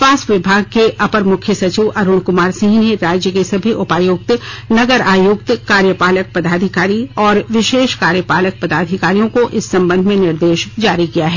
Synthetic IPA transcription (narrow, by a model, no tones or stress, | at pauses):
aːsʋɪbʱaːɡ̚keʔɐpəɾmʊkʰjəsɐt͡ʃiʋʔɐɾʊɽ̃kʊmaːɾsɪ̃ɦneɾaːd͡ʒjəkesɐbʱiʔʊpaːjʊɡ̚t̪nɐɡəɾaːjʊkt̪kaːɾjəpaːlək̚pɐd̪aːd̪ʱɪkaːɾiɔːɾʋɪʃeːʃkaːɾjəpaːlək̚pɐd̪aːd̪ʱɪkaːɾijõkoʔɪsːɐ̃mbə̃nd̪ʱmẽnɪɾd̪eːʃd͡ʒaːɾikijaɦɛː